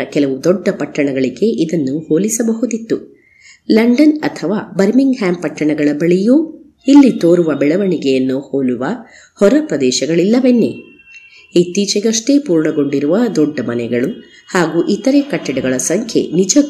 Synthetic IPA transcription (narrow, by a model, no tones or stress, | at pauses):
ɐkɛlɐʋud̪ɔɖːɐpɐʈːɐɳɐɡɐɭiɡe̞ʔid̪ɐnːuhoːlisɐbɐɦud̪it̪ːu | lɐɳɖɐnɐt̪ʰɐʋaːbɐɾmiŋɡɦaːmpɐʈːɐɳɐɡɐɭɐbɐɭijuː | ilːit̪oːɾuʋɐbɛɭɐʋɐɳiɡejɐnːuhoːluʋɐ | hɔɾɐpɾɐd̪ɛːʃɐɡɐɭilːɐʋenːḛ | it̪ːiːt͡ʃɛɡɐʂʈepuːɾɳɐɡo̞ɳɖiɾuʋɐd̪ɔɖːɐmɐnɛɡɐɭu | haːɡuːʔit̪ːɐɾekɐʈːɐɽɛɡɐɭɐsɐŋkʰje̞̰nid͡ʒɐ